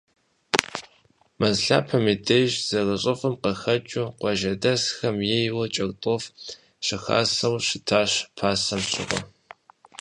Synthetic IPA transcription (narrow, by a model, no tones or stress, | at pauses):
mɐzɬa̰ːpʰɐmidʰejʒz̥ɐrɐɕʼɨfɐmqɐxɐt͡ʃʼʊqʷɔʒɐdɐsxɐmjejwɐt͡ʃʼɐkʼtʼof | ɕɪxa̰ːsɐwɕɪtʰaːɕpʰaːsɐmɕɪ̰ʁʷɔ̰